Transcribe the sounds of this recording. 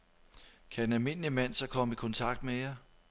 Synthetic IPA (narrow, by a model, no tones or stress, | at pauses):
kʰæd̥enælme̝n̰limæn̰sɒ̽kʰɒ̽m̰əikʰɔ̽nt͡sʰɑ̈ɡ̥̚d̥mejɑ